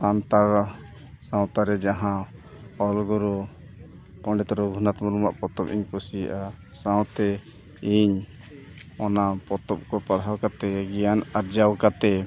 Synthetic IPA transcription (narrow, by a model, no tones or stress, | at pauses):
sant̪aɾ | sãw̃t̪aɾɛd͡ʒaɦã | ɔlɡɔɾɔ | ɔ̃ɖɛt̪ɔɾɔbʱunat̪mɔɾuma̰ʔpɔt̪ɔpiɲkɔsija̰ʔasãw̃t̪ɛ | iɲ | ɔnapɔt̪ɔp̚kɔpaɽ̤awkat̪ɛɡɛjanaɾd͡ʒawkat̪ɛ